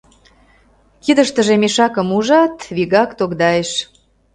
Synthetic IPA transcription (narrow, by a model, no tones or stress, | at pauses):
kid̪əʃt̪əʒemeʃɑkə̆muʒɑt̪βiɣɑkt̪oɣd̪ɑjeʃ